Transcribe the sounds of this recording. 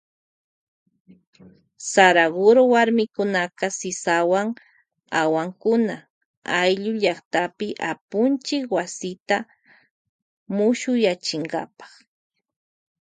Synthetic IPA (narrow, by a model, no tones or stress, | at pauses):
saɾaɡoɾowaɾmɪkʊnaqɑsɪsawaŋ | awaŋkʊna | ajʎʊʎɑχt̪apɪʔapʊnt͡ʃɪkwasɪt̪a | mʊʃʊjat͡ʃɪŋɢɑ̰pɑ̥χ